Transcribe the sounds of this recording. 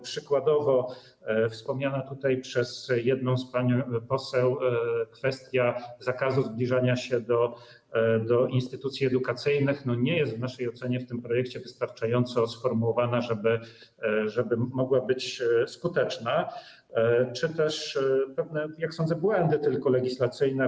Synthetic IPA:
pʂɘkwad̪ɔvɔ | fspɔmɲanat̪ut̪ajpʂɛzjɛd̪nɔ̃w̃spaɲpɔsɛwkfɛst̪ʲjazakazuzblʲiʐaɲaɕɛd̪ɔ | d̪ɔʔinst̪ɘt̪ut̪sʲiɛd̪ukat̪sɘjnɘxnɔɲɛjɛst̪vnaʂɛjɔt̪sɛɲɛft̪ɘmpɾɔjɛkt͡ɕɛvɘst̪aɾt͡ʂajɔnt̪sɔsfɔɾmuwɔvanaʐɛbɘ | ʐɛbɘmɔɡwabɘt͡ɕskut̪ɛt͡ʂna | t͡ʂɘt̪ɛʂpɛvnɛjaksɔndzɛbwɛnd̪ɘt̪ɘlkɔlɛɡʲislat̪sɘjnɛ

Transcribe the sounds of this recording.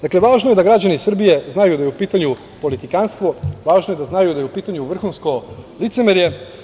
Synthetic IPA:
d̪akle̞ʋaːʒnojed̪aɡɾad͡ʑanisr̩bije̞znajud̪ajeupiːt̪aɲu | po̞lit̪ikanst̪ʋoʋaːʒnoje̞d̪aznajud̪ajeupiːt̪aɲuʋr̩xuːnsko̞lit̪semeɾje

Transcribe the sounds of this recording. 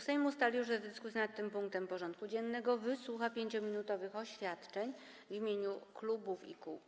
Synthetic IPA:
sɛjmust̪alʲjuʐzɛd̪ɘskusjinat̪ːɘmpuŋk̚t̪ɛmpɔʐɔnt̪̚kud͡ʑɛnːɛɡɔvɘswuxapʲjeɲt͡ɕɔmʲinut̪ɔvɘxɔɕfʲjat̪t͡ʂɛɲ | vimʲjeɲuklubufḭkṵ

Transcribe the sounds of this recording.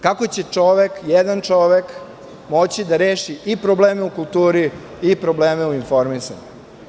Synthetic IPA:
kakot͡ɕet͡ʂo̞ʋekjɛd̪ant͡ʂo̞ʋek | mo̞t͡ɕid̪aɾeːʃiipɾobleːmeukult̪uːɾi | ipɾo̞bleːmeuinfo̞ɾmisa̰ɲu

